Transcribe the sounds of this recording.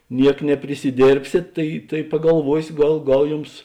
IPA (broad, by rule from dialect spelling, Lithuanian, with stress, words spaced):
ˈnʲiɛk nʲɛpʲrʲɪsʲɪˈdʲeːrʲpʲsʲeːt ˈtɐɪ tɐɪ pɐɡɐlˠˈʋuɔsʲoː ˈɡɐlˠ ˈɡɐlˠ ˈjʊms